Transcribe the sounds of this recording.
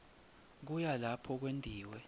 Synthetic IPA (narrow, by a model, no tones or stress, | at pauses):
k̬ujalapʰɔk̬wendʱiːwɛ